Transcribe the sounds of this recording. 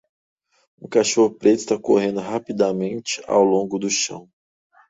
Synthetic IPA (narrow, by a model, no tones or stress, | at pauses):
ṵ̃kaʃohʊpɾet̪ʊist̪ako̰ɦẽnd̪ʊɦapid̪amẽnt͡ʃɪ̥a̰wlõɡʊd̪ʊʃɐ̰̃w̃